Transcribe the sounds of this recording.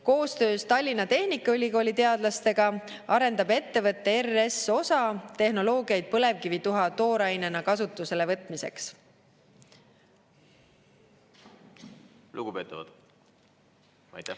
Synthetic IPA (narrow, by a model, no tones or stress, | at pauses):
ko̞ːst̪ø̞ːst̪ɑlʲːinɑt̪e̞hnikːˑɑylʲiko̞ːlʲit̪e̞ɑd̪lɑst̪e̞ɡ̥ɑ | ɑɾe̞nd̪̥ɑbe̞t̪ːe̞vɤt̪ˑːe̞ere̞so̞sɑt̪e̞hno̞lo̞ːɡijɑjd̪̥̚pɤle̞vkivit̪uɦɑt̪o̞ːɾɑjne̞nɑkɑsut̪ːˑuse̞levɤt̪ˑmise̞̰ks | luɡ̥upe̞ːt̪ːˑɑvɑ̰d̪̥ | ɑjt̪